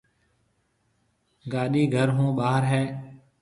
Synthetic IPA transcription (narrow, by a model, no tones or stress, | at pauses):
ɡaːɗiːɡʱəɾɦũːɓaːɦəɾɦɛː